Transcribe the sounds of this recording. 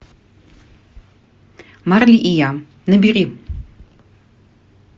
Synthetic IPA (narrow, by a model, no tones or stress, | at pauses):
marliʔija | nɨbiʁi